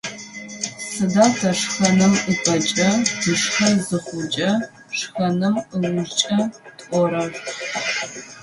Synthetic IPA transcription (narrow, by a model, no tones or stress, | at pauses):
sɨdaːtʰɐʂxɐnɨmɨpʼɐt͡ʃʼɐd̥ɨʂxɐzɨχʷʊt͡ʃʼɐ | ʂxɐnɨmɨwʊʒt͡ʃʼɐtʼʔʷɔɾɐrʷ